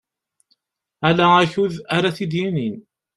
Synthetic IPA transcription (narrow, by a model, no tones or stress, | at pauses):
ælææçuðaɾaθid̪jinin